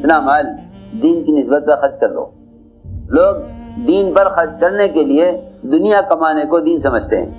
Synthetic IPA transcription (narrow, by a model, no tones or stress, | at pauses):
ɪt̪namaːld̪iːnkinɪsbət̪̚kaxɐɾt͡ʃkɐɾlo̰ː | loːɡ̚d̪iːnpɐɾxɐɾt͡ʃkɐɾnekelied̪ʊnijakɐmaːnekod̪iːnsɐməd͡ʒʱt̪ḛɦɛ̰̃ː